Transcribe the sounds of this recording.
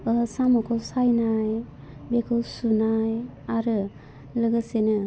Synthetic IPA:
əsamɔkʰɔsajnaj | bekʰɯwsunaj | aɾɯ | ləɡəsenɯ

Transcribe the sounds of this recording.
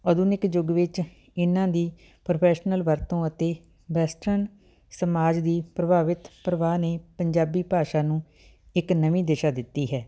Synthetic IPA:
əd̪ʊnɪkd͡ʒʊɡʋɪt͡ʃ | ɪnːãːd̪iː | pɾopʰɛːʃnəlʋəɾt̪õːət̪eː | ʋɛːsʈɾən | səmaːd͡ʒd̪iːpɾəbʱaːʋɪt̪pɾəʋaːneːpəɲd͡ʒaːbiːpaːʃaːnũː | ɪknəʋĩːd̪eːʃaːd̪ɪt̪ːiːɦɛː

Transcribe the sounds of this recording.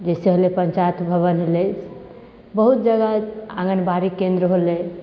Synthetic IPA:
d͡ʒeseɦolepəɲt͡ʃajət̪bʱəβənɦles | bəɦut̪̚d͡ʒəɡaaɡənbaɾikːẽnd̪ɾəɦole

